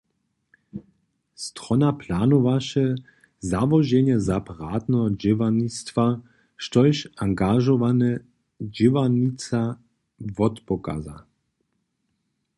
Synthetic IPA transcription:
st̪ʁɔnapʰlanɔvaʃɛ | zavɔʒɛnɛzapaʁaːt̪nɔɦɔd͡ʒɪvanist̪va | ʃt̪ɔjʃaŋɡaʒɔvanɛ | d͡ʑivanit͡sa | vɔt̪pɔka̰za̰

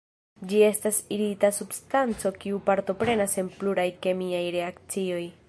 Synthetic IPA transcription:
d͡ʒie̞stasiɾitasubstant͡so̞kiupaɾto̞pɾe̞nase̞npluɾajke̞miajɾe̞akt͡sio̞j

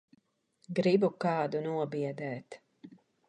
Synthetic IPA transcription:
ɡɾibukɑːd̪unuɔbiɛd̪ɛːt̪

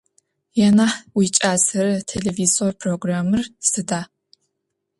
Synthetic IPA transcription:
jɛnaħwit͡ʃʼaːzɐɾɐtʰeleviːzorpʰroɡraːmɨrsɨdaː

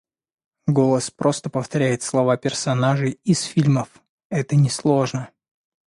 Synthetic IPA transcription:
ɡo̞lˠəspɾʔo̞st̪əpəft̪ɐɾʲæjɪt̪slˠɐvapʲɪrsɐnaʐɨjɪsfʲilʲməf | ɛt̪ənʲɪslˠo̞ʐnə

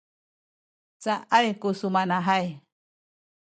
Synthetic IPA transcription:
t͡saʔaekusumanaɦaj

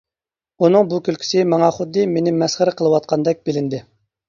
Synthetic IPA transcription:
unɨŋbukʲylkʲʰi̥sɪmɑŋɑχʊd̪ːɨmenɪmɛsχəɾɨqʰəlˠɨwɑt̪̚qʰɑnd̪ɛk̚ʲbɪlɪnd̪ɪ

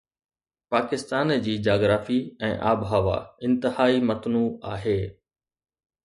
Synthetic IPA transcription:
paːkɪst̪aːnd͡ʑiːd͡ʑaːɡɾaːfiɛ̃ːʔaːbɦaʋa̰ɪ̃nt̪ɪhaːimɐt̪nuːaːɦeː

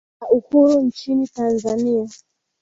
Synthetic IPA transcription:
auhuɾunt͡ʃinitanzania

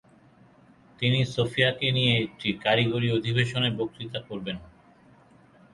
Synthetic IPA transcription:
t̪inisofijakenijeek̚ʈikaɾiɡoɾiod̪ʱibeʃonebok̪̚it̪akoɾben

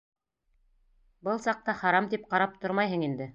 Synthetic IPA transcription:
bɤlˠsɑq̚t̪ɑχɑɾɑmt̪ip̚qɑɾɑp̚t̪oɾmɑjɦɤɴind̪ɘ

